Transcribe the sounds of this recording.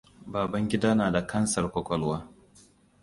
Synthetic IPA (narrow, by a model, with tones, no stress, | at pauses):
baː˨bɐ˦ŋɡʲɪ˦daː˦naː˨da˨kʰɐ˦nsɐ˨rkʷɔ˦kʷɔ˦lwaː˦